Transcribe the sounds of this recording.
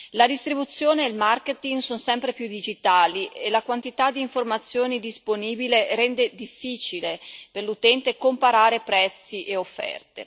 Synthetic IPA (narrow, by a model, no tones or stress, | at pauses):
lad̪ist̪ɾibut̪sːjoːneːlmarket̪iŋɡsonsɛmpɾepjud̪id͡ʒit̪aːliʔelakwant̪it̪ad̪ːiːɱformat̪sːjoːned̪isponiːbileɾɛnd̪ed̪ifːiːt͡ʃileperlut̪ɛnt̪ekompaɾaːɾepɾɛt̪sːiʔeofːɛ̰rt̪ḛ